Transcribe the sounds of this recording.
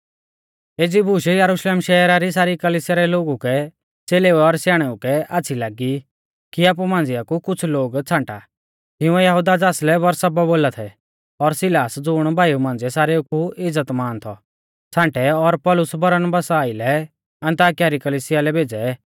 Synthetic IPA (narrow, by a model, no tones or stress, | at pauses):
eːd͡zibuːʃejəɾʊʃleːmʃɛːɾaɾis̬aːɾikəliːsɪjaɾɛloːɡukɛ | t͡seːleːuɛɔɾsjaːɽ̃ɛukɛaːt͡sʰilaːɡi | kiaːp̬umãːnd͡ziakukʊt͡sʰloːɡt͡sʰãːɳʈa | tɪʊ̃ɛjɐɦud̪ad͡zaːslɛbɐɾsababoːlat̪ʰɛ | ɔɾsɪlaːsd͡zʊɽ̃bʱaːjumãːnd͡zɛsaːɾeukuɪd͡zət̪maːnt̪ʰɔ | t͡sʰãːɳʈɛɔɾpɔːlʊsbɐɾənbaːsaːilɛ | ɐ̃nt̪aːkɪjaɾikəliːsɪjalɛbʱeːd͡zɛ